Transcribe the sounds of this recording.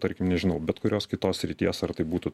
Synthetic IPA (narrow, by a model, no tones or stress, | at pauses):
t̪ɐɾʲkʲɪmnʲɛʒʲɪnɐʊbʲɛt̪kʊɾʲoːskʲɪt̪oːssʲɾʲɪt̪ʲiɛsɐɾt̪ɐɪbuːt̪ʊ